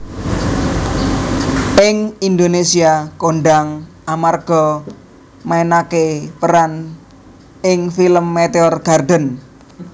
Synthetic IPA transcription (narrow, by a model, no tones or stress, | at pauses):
ɪŋind̪onesiakoɳɖaŋʔamarɡ̥ɔ | maenakepəɾan | ɪŋfiləmːet̪eɔrɡ̥a̤rd̪ə̤n